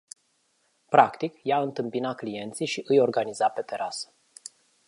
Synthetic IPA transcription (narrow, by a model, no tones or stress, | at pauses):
pɾakt̪ikjaɨnt̪ɨmpinaklije̞nt̪sijʃiʔɨjo̞rɡanizape̞t̪e̞ɾʔasə̥